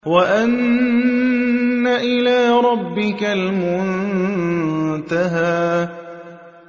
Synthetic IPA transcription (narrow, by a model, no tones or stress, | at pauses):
waʔan | aʔɪlaːɾˤɑbːɪkalmʊn | t̪aɦaː